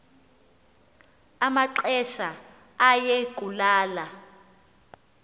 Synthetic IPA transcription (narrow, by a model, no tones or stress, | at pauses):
amaǁɛʃa | ajɛɡ̥̬ʱʼulaːla